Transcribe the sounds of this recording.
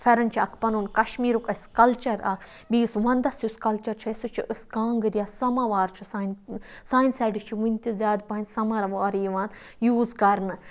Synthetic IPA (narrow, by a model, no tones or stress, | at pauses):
fʰɐɾɐnt͡ʃʰiɐkʰpɐnunkɐʃmiːɾukɐskɐlt͡ʃɐɾa | bisʋɐnd̪ɐsjuskɐlt͡ʃɐɾt͡ʃʰɐsut͡ʃʰiʔɨskaːŋɡɨɾʲjaːsɐmaʋaːɾt͡ʃʰusaːnsaːjnsɐːɖɨt͡ʃʰiʋunʲt̪ʲizʲjaːd̪paːnʲsɐmɐɾɐʋaːɾijʋaːn | juːzkɐɾnɨ